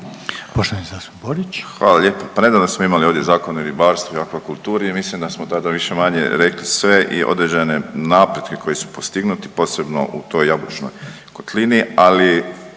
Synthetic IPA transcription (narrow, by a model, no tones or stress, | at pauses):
poʃt̪oʋanisasboɾit͡ʃxʋaːlaʎe̞ːpopane̞d̪aːʋnosmoimalio̞ʋd̪ʲjezaːkonulibaːɾst̪voiakʋakulˠt̪uːɾeimislimd̪asmot̪ad̪aʋiʃe̞maɲḛɾe̞klisʋe̞ʔḭʔo̰d̪ɾed͡ʑene̞naːpɾje̞d̪kekʰo̞jesu̥post̪iɡnut̪i̥po̞ːse̞bno̞̰ʔṵt̪o̞jabut͡ʃno̰j | kot̪liniali